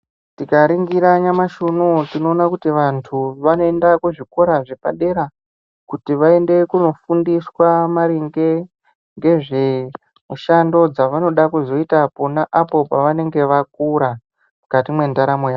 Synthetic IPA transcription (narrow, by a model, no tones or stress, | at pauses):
tikaɾiŋɡiɾaɲamaʃunotino̞ːnakutiʋantʰuʋano̞e̞ndakuʐiko̞ɾaʐepa̰ɗe̞ɾa | kutiʋae̞nde̞kuno̞fundiswamaɾiŋɡe̞ | ŋɡe̞ʐe̞ | muʃando̞d͡zaʋano̞ɗakuzo̞itaponaʔapo̞paʋane̞ŋɡe̞ʋak̚uɾa | mukatimwe̞ndaɾamojaː